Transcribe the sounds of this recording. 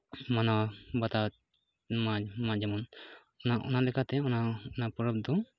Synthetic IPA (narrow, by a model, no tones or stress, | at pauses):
manabat̪a | mamad͡ʒamɔn | ɔnaʔɔ̰nalɛkat̪ɛɔnaɔnapɔɾəp̚d̪ɔ